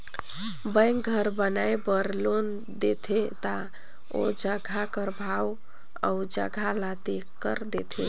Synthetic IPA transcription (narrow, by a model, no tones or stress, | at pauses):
bəɪŋɡɡʱəɾbənajbəɾlon | d̪et̪ʰet̪a | o̰d͡ʒəɡʱakəɾbʱaw | a̰ud͡ʒə̰ɡʱalat̪e | kəɾd̪et̪ʰḛ